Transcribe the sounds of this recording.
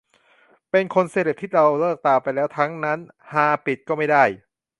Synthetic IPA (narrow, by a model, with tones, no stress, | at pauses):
pe˧nkʰo˧nse˧˩ɾe˨˩p̚t̪ʰiː˥˩ɾa˧wlɤː˥˩k̚t̪aː˧pa˧jlɛː˦˥wt̪ʰa˦˥ŋna˦˥n | haː˧pi˨˩t̪̚kɔː˥˩ma˥˩jdaː˥˩j